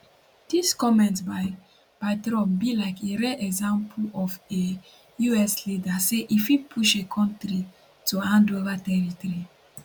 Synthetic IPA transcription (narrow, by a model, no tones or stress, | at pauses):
d̥iskɔmɛ̃ntbaɪ | paɪtɾɔmbilaɪkʰeɹɛʔɛɡzãmpʰɔfe | juɛslidaseʔifipʰuʃekʰɔ̃ntɾi | tuãndovatɛɹitɔɾi